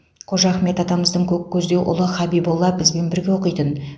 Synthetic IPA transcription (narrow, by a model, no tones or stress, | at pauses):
qʰoʒɑχme̞t̪ɑt̪ɑməzd̪əɴkʲʰɵkkʲʰɵzd̪e̞wʔʊ̰lˠəχɑbibolˠːɑbɪzbe̞nbɪɾɡʲe̞wo̞qəjt̪ən